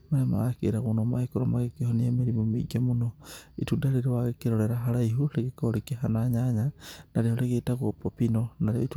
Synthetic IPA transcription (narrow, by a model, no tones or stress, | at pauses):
malema̰akḛɾaɣunomaikoɾo̰maɣekihoniemiɾimomiɡemunoitudaɾiɾewaɣekiɾoɾeɾaɦalaiɦulekikolikiɦanaɲaɲanaɾioleɣetaɣopopinonaɾio̰it